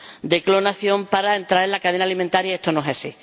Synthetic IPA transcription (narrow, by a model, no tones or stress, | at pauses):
d̪e̞klo̞naθjõ̞mpaɾaent̪ɾaɾelakað̞enalimẽnt̪aɾjaest̪onoɦesi